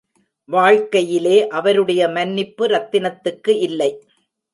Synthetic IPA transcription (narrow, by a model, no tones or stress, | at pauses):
ʋaːɻkɐjɪleːʔɐʋɐɾɯɽɐjɐmɐnːɪpːɯɾɐt̪ːɪnɐt̪ːɯkːɯʔɪlːɐɪ